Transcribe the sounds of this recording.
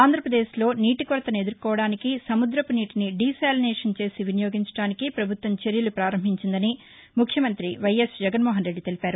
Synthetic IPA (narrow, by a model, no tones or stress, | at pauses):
aːnd̪ʱɾɐpɾɐd̪eːʃlo̞ːniːʈikʋɐɾɐt̪ɐned̪uɾkɔːʋɐɽaːnikisɐmud̪ɾɐpuniːʈiniɖiːsaːlinɛːʂɐnt͡ʃe̞ːsiʋinijo̞ːɡiɲt͡ʃɐ̥ɽaːnikipɾɐbʱut̪wʋɐmt͡ʃeɾjɐlupɾaːɾɐmbʱiɲt͡ʃind̪ɐni | mukʰjɐmɐnt̪ɾiʋɐjesd͡ʒɛɡɐnmɔːɦɐnɾe̞ɖːit̪e̞lipaːɾu